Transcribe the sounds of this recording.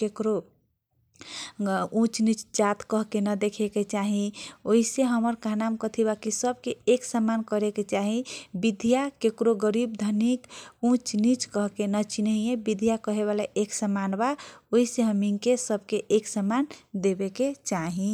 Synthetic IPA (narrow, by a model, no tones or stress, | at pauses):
kekɾo | ũt͡ʃnit͡ʃd͡ʒat̪kəɦkenəd̪ekʰeket͡ʃaɦĩoɦiseɦəməɾkaɦnamkət̪ʰibakisəb̚keːksəmankəɾeket͡ʃaɦĩbid̪ʱijakekɾoɡəɾib̚d̪ʱənikũt͡ʃnit͡ʃkəɦkenət͡ʃinəɦijebid̪ʱjakəɦeβalaʔeksəmanbaoiseɦəmiŋkesəbʱkeʔeksəmand̪ebeket͡ʃaɦĩ